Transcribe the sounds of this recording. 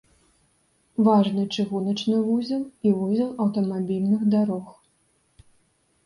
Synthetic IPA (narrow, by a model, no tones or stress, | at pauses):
vaʐnɨt͡ʂɨɣunɐt͡ʂnɨvuzʲɐlˠivuzʲɐlˠɐwt̪ɐmabʲilʲnɨxd̪aɾɔx